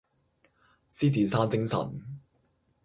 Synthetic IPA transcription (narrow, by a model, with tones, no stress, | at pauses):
siː˥t͡siː˨˧saː˥nt͡sɪ˥ŋsɐ̰˨˩n